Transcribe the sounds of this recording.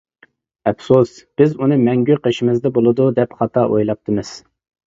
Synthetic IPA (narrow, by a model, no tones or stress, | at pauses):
ɛpsusb̥ɪzunɨmɛŋɡʲyqʰeʃimɨzd̪ɛbolˠɨd̪ud̪ɛpχɑt̪ʰɑʔojlˠɑp̚t̪ʰɨmɨz̥